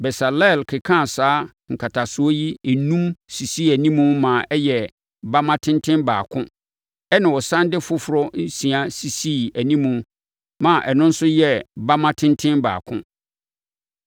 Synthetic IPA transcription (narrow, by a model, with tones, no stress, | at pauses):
bɛ˨sa˨lɛ˦˨lkʰɪ˨kʰã˦˨saː˦ | ŋ̩˨kʰa˨tʰa˨sʊ˨˦ɔ˦ji˦e˨nũ˦msi˨siː˦˨æ˨nĩ˦mũ˦mã˨ʔɛ˦jɛ˨ | ba˦mã˦tʰɪ̃˦ntʰɪ̃˦nbaː˨kʰʊ̃˦ | ɛ˦nã˨wɔ˨sã˦ndɪ˦fʊ˦fʊ˨ɾɔ˦n̩˦sĩ˨a˨si˨siː˦˨æ˨nĩ˦mũ˨ | mã˨ʔɛ˨nʊ̃˦n̩˦sʊ˦jɛ˦ba˦mã˦tʰɪ̃˦ntʰɪ̃˦nba̰ː˨kʰʊ̰̃˦